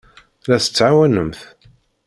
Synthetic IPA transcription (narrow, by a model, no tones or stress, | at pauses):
læsə̥t͡sːʕawænəmθ